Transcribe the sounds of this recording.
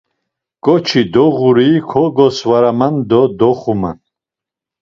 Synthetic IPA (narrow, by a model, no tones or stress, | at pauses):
ɡ̥ɔt͡ʃʰid̪ɔʁuɾiːkʰɔɡɔsvaɾamand̪ɔd̪ɔχuma̰n